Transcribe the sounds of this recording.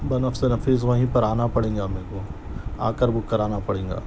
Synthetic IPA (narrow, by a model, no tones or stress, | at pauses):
bɐnɐfsenɐfiːzʋɐɦĩpɐɾaːnapɐɽẽːŋɡameːkoa̰ːkəɾbʊkːɐɾaːnapɐɽẽːŋɡa̰ː